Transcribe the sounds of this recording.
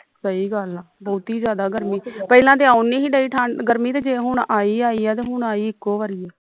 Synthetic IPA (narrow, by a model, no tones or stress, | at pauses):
səiːɡəlaːbɔːt̪iːd͡ʒjaːd̪aːɡəɾmiːpəɪlãːd̪eːaʊnːĩːɦiːɖəiːʈʰaːɳɡəɾmiːt̪eːd͡ʒeːɦʊɳaːiːaːiːɛːt̪eːɦʊɳaːiːɪkːoːʋaːɾiːɛː